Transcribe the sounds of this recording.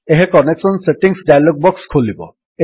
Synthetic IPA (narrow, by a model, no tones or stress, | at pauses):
eɦekɔneksɔnseʈiŋsɖajaloɡ̚bɔkskʰolibɔ̰ | e